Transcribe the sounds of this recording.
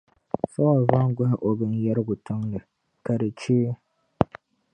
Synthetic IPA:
sa˦wa˨va˦ŋ˦ɡa˦ʔo˨bɨ˦njɛ˦ɾɡʊ˨tʊ˦ŋlɨ˨ | ka˨dɨ˨t͡ʃeː˦

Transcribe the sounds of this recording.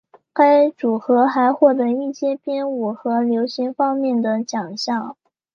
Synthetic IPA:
ka˥ɪʈ͡ʂu˨˩xɤ˧˥xa˧˥ɪxwɔ˥˩t̪̬ə˧˥i˥˩ɕjɛ˥pjɛ˥nu˨˩xɤ˧˥ljo˧˥ʊɕi˧˥ŋfɑ˥ŋmjɛ˥˩nd̪ə˩t͡ɕjɑ˨˩ŋɕjɑ˥˩ŋ

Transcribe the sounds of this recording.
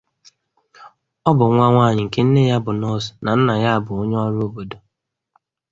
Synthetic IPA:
ɔ˦bʊ˨ŋʷa˦ŋʷaː˦˨ɲɪ˨ŋ̩˨ke˦n̩˦ne˦ja˦bʊ˨nɔ˦sna˨n̩˦na˨ja˦˨bʊ˨o˦ɲ˦ɔ˦ɾo˦bo˨do˨

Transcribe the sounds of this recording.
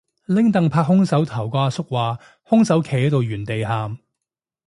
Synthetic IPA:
lɪ˥ŋt̪ɐ˨ŋpʰaː˧k̚hʊ˥ŋsɐ˨˥wt̪ʰɐ˨˩wkʷaː˧sʊ˥k̚waː˨ | hʊ˥ŋsɐ˨˥wkʰe˨˩jɛ˥t̪o˨wjyː˨˩nt̪e˨jɦaː˨m

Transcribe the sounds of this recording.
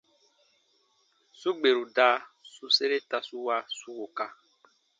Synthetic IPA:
su˦ɡ͡be˨ɾu˨da˦su˦se˦ɾe˦ta˧su˦wa˧su˦wo˨ka˦

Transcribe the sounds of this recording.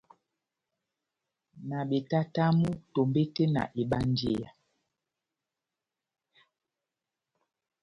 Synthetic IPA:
na˨ɓe˨ta˦ta˦mu˦to˨mbe˦te˦na̰˨ʔe˨ɓa˦n˦dḛ˦˨a̰˨

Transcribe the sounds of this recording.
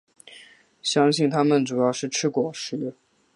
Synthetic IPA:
ɕjɑ˥ŋɕi˥˩nt̪ʰa˥mə˨nʈ͡ʂu˨˩jɑ˥˧ʊʂɻ̩˥˩ʈ͡ʂʰɻ̩˥kwɔ˨˩ʂɻ̩˥

